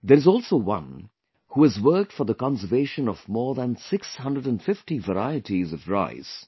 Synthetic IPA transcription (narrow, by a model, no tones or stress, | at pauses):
d̪əɾɨzɔːlˠsoʊwʌ̰̃n | huːɨzwɜ˞k̚tfɔ˞ðəkɑ̃nsəveɪʃə̃nɔvmɔːɹðə̃nsɪkshʌ̃ndəɖə̃nfɪftivəɾaɪətizʌvɹa̰ɪz̥